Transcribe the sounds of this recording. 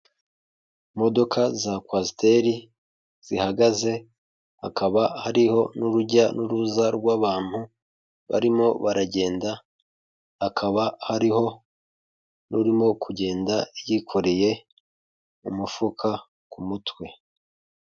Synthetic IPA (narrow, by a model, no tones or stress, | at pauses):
mo̞do̞kazakwasite̞ɾi | z̥ihaɡaze̞ | ha̰kaβahaɾiho̞nuɾuɟanuɾuzaɾɡwaːβaːn̥hu | βa̰ɾimo̞βaɾaɟe̞ːnda | akʰaβahaɾiho̞ | nuɾimo̞kʰuɟe̞ːndajikʰo̞ɾe̞je̞ | umufukʰa | kumutwe̞